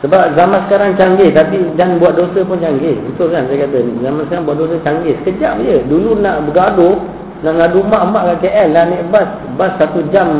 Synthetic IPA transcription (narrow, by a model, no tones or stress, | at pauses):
səbap̚zamansə̥kaɾaŋt͡ʃaŋɡɪt̪apidanbuaʔ̪̚dosəpʊnt͡ʃaŋɡɪṵnt̪ukansajəkat̪̬əzamansəkaɾaŋbuat̪ʔ̚dosət͡ʃaŋɡesəkəd͡ʒap̚jədulunaʔbəɡadʊ | naʔŋadumaʔmaʔkaʔkeʔɛlnaʔneʔbas | basːat̪ud͡ʒam